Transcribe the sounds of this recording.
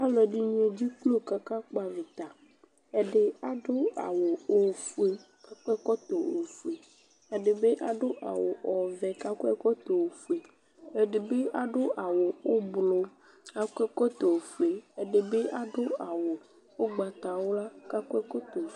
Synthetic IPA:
a˦lɔ˨ɖi˦ɲ˦e˦d͡ʑi˦k͡plo˦ka˨ka˦k͡pa˨vi˨t̪a˨ | e˦ɖe˦a˦ɖo˦a̰˨wo˨o˦˨fu˦e˨ | a˨kɔ˦ɛ˦kɔ˦t̪o˨o˨fu˨e˨ | ɛ˨ɖe˨be˦ʔa˨ɖo˦ʔa̰˨wo˨ʔɔ˨vɛ˨ka˦kɔ˦ɛ˦kɔ˦t̪o˨wo˨fu˦˨e˨ | e˨ɖe˨be˦a˨ɖo˦ʔa˨wo˨wo˦blo˦ | a˦˨kɛ˦kɔ˦t̪o˨wo˨fu˦e˨e˨ɖe˨be˦a˦ɖo˦a˨wo˨ | wo˦ɡ͡ba˨t̪a˨wo˦la˦ka˦kɛ˦kɔ˦t̪o˨

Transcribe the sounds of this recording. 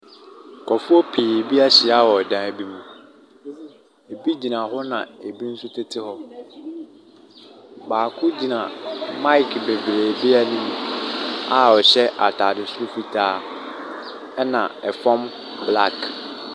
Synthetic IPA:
kʰɔ˨fʊ˦ɔ˦pʰeː˨bi˦a˦ɕɪ˨a˦wɔ˨dã˨bi˦mũ˨ | e˨bi˦d͡ʑi˨nã˨ɦɔ˦nã̰˨e˨bi˦n̩˦sʊ˦tʰe˦tʰɪ˦ɦɔ˦ | baː˨kʰʊ˦d͡ʑi˨nã˨mã˦jkʰbe˨bɾeː˨bɪ˦a˦nĩ˦mũ˨a˨ɔ˨ɕɛ˦ʔa˨tʰaː˨dɪ˨sʊ˦ʊ˦fi˨tʰaː˦ | ɛ˦nã˨ɛ˨fɔ̃˦m | bla˦˨k

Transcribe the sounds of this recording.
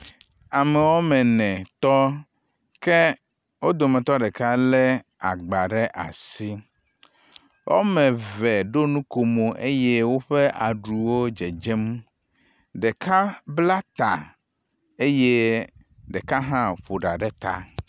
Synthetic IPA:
a˨mɛ˨wo˦mɛ̃˨nɛ̃˨t̪ɔ˦ | ke˦ | wo˦d̪o˨mɛ̃˨t̪ɔ˦ɖe˨ka˦le˦a˨ɡ͡ba˨ɖe˦ʔa̰˨si˦ | wʔo̰˦mɛ̃˨vɛ˨ɖo˦nũ˦ko˨mo˨ʔe˦je˦wo˦ɸe˦ʔa̰˨ɖu˨wo˦d͡ʒe˨d͡ʒɛ˦m | ɖe˨kʰa˦bla˦t̪a˨ | e˦je˦ | ɖe˨ka˦ɦã˦ɸo˨ɖa˨ɖe˦t̪a̰˦

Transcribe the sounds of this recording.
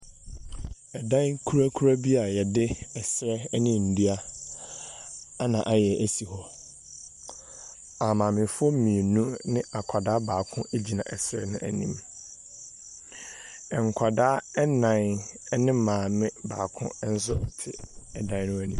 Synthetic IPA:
ɛ˨dã˦nkʰu˦ɾa˦kʰu˦ɾa˦bi˦a˨jɛ˨dɪ˦ɛ˨sɾɛ˦nɪ̃˦n̩˨di˦a˦ | a˦nã˨ʔa˨jɛ˨ʔæ˦si˨hɔ˨ | a˨mãː˨mɪ̃˨fʊ˦ɔ˦mĩ˨e˨nũ˦nɪ̃˦a˨kʷʰa˨daː˦baː˨kʰʊ̃˦e˦d͡ʑi˨nã̰˨ʔɛ˨sɾɛ̰˦nʊ̰̃˦ʔæ̰˨nḭ̃˦m | ɛ˨ŋ̩˨kʷʰa˨daː˦ɛ˦nã˨n˦nɪ̃˦mãː˨mɪ̃˦baː˨kʰʊ̰̃˦n̩˦s̬ʊ˦˨tʰɪ˨ɛ˨dã˦n˦nʊ̃˦æ˦nĩ˨

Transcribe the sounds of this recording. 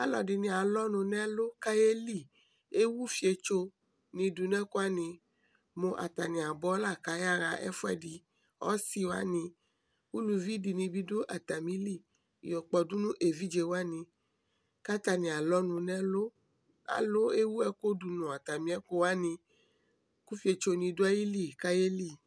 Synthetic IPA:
a̰˦lɔ˨di˨nĩ˨a˨lɔ˦nũ˨nɛ̃˦lo˦ka˦je˦li˦˨ | e˦wu˦fi˨˦e˨t͡ʃo˦ | nĩ˨du˨n˦ɛ̃˦ko˦a˦nĩ˧ | mo˨ʔa˨t̪a˨nĩ˨a˨bɔ˦la˦˨ka˨ja˦ɣa˨ʔɛ̰˦fu˦ɛ̰˨di˨ | ɔ̰˦si˦wa̰˦nĩ˧ | wu˦lu˨vi˦di˨nĩ˧bi˦do˦ʔa˨t̪a˨mĩ˨˦li˦˨ | jɔ˨k͡pɔ˨du˦nũ˦ʔe˨vi˦d͡ʒe˨wo˦a˦nĩ˨ | ka˦t̪a˨nĩ˨a˨lɔ˦nũ˨nɛ̃˦lo˦ | a̰˨lo˦e˦wu˦ɛ˦ko˦du˨nũ˨a˨t̪a˨mĩ˦ɛ˦ko˦wa˦nĩ˧ | ku˦fi˦e˨t͡ʃo˧nĩ˧do˦a˦ji˦li˦˨ka˦je˦li˦˨

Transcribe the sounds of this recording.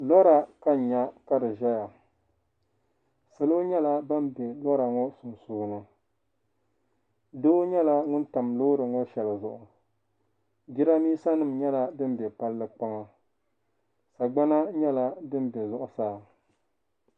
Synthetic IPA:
lɔ˦ɾa˨ka˦˨ɲa˦ka˦dɨ˨ʒa˦ja˨ | sɨ˨lo˦ɲɛ˦la˦ba˦m˦bɛ˨lɔ˦ɾa˨ŋɔ˦sʊ˨sʊː˦nɨ˦ | doː˦ɲɛ˦la˦ŋʊ˦n˦ta˨mloː˦ɾɨ˨ŋɔ˦ʃɛ˨lɨ˨zʊ˨ʔʊ˨ | ɡi˦ɾa˦miː˦sa˦nɨ˦mɲɛ˦la˦dɨ˦n˦bɛ˨pa˦lːɨ˦k͡pa˦ŋa˦ | sa˨ɡ͡ba˦na˦ɲɛ˦la˦dɨ˦m˦bɛ˨zʊ˨ʔʊ˨saː˦˨

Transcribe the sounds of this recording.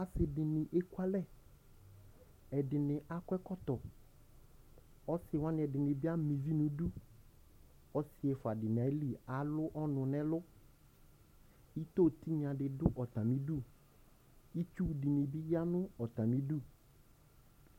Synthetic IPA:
a˨sɪ˨dɪ˨nɪ̃˨ʔe˦kwa˦lɛ˦˨ | ɛ˨dɪ˨nɪ̃˨ʔa˦kwɛ˦kɔ˦t̪ɔ˨ | ɔ˦sɪ˨wã˦nɪ̃˨ɛ˨dɪ˨nɪ̃˨bɪ˦a˦mĩ˨vi˦nũ˨du˦ | ɔ˦sɪ˨ɛ˨fʊ˨a˨dɪ˨n˨a˨˦li˦a˨lʊ˦ʔɔ˦nʊ̃˨nɛ̃˦lʊ˦ | i˦t̪o˦˨t̪i˦ɲã˨ɖɪ˨dʊ˦ʔɔ˨t̪ã˨mĩ˦du˦ | i˦t͡ʃu˦˨di˨nɪ̃˨bɪ˦ja˦nʊ̃˦ɔ˨t̪ã˨mĩ˦du˦˨

